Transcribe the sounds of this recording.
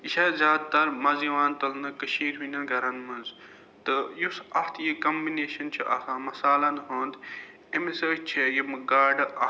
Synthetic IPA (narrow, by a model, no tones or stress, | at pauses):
iʃaːzʲaːd̪̚t̪ɐɾmɐziʋaːnt̪ɐlnɨkɐʃiːɾɦĩnɐnɡʱɐɾɐnmɐnz | t̪ɨjusɐht̪ʰjikɐmbineːʃɐnt͡ʃʰuʔɐsãːmɐsaːlɐnɦoːnd̪ | emeset͡ʃʰejimɨɡaːɖʔɐ